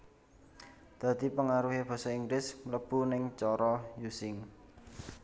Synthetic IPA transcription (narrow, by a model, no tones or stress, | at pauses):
d̪̥ä̤d̪i̤pəŋaɾuɦeb̥ɔ̤sɔiŋɡlɪsmləb̥ṳnɪŋt͡ʃɔɾɔjusɪŋ